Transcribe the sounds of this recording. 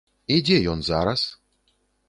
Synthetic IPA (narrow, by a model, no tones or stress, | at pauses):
idʲejonzaɾas